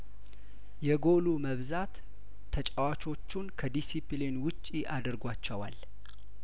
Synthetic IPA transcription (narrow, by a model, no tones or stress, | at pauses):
jɛɡo̞luməβzat̪ʰː | ət͡ʃʼəwat͡ʃʰʼo̞t͡ʃːunkʰəd̪isiplinwʊt͡ʃʼːiʔad̪əɾɡʷat͡ʃːɛwa̰l